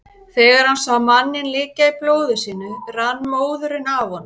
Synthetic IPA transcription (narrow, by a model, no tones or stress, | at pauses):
θɛːɣaɾ̥hansawmanːɪnliːcaiploːwðʏsiːnʏranːmoːwðʏɾɪnavhɔnː